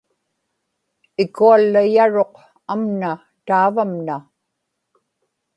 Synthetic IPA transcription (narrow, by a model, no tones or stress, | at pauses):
ɪkualːajaɻo̞q | amna | t̪aːvamna